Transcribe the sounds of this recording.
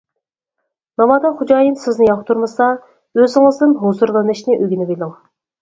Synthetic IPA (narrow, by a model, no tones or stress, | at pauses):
mɑmɑd̪ɑχud͡ʒɑːjinsɪznɪjɑχt̪ʰuɾmɨsɑ | øzɪŋɨzd̪ɪmɦozuɾlˠɨnɨʃnɪʔøɡʲinɪbelˠɪŋ